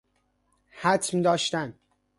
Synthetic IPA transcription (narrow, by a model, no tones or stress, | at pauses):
hæt̪ʰmd̪ɒːʃt̪æn